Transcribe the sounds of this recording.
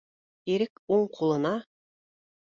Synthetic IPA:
iɾɘkuɴqʰulˠɤ̆nɑ

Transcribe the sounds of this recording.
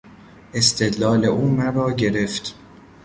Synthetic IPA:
ʔe̞st̪ʰe̞d̪lɒːle̞ʔuːmæɾɒːɟe̞ɾe̞ft̪

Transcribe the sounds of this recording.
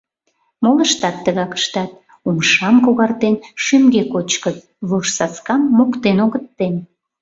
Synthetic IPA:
moləʃt̪ɑt̪ːəɣɑkə̥ʃt̪ɑt̪̚ | umʃɑmkoɣɑrt̪enʃymɡekot͡ɕkət̪ | βoʃsɑt͡skɑmːokt̪enoɣət̪ːen

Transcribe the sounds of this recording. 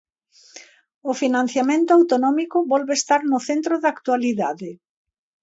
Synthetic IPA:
ʊfinãn̟θjamẽnt̪ʊawt̪onɔmikʊβɔlβeːst̪aɾnʊθent̪ɾoðaːkt̪waliðaðɪ

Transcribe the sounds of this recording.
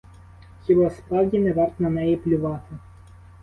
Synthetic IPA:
xʲibɔspɾɑwdʲinɛʋɑrt̪nɐnɛjiplʲʊʋɑt̪ɪ

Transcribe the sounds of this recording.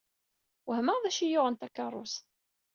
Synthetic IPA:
wəhməʁðæʃijʊʁənt̪ækːɑrˤːʊ̰s

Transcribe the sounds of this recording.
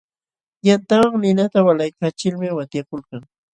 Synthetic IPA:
jant̪amaŋnɪnat̪awalajkat͡ʃɪlmɪwat̪jakʊlkaŋ

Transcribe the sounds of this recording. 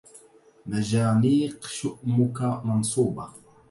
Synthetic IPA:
mad͡ʒaːniːqʃʊʔmʊkamɑnsˤuːbɑ

